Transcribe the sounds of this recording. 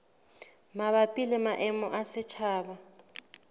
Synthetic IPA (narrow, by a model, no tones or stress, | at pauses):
maβapʼilɪmaʔɛmɔʔasɪt͡ʃʰaːba